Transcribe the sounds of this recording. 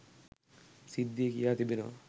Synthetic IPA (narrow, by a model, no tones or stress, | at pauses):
sid̪ːiekijaːt̪ibenɔ̰